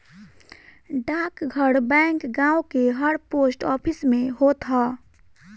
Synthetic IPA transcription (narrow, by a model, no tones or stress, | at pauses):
ɖaːkɡʱəɽbɛ̃ːŋkɡãːokeɦəɽpoːsʈɔːpʰɪsmẽɦot̪ʰaː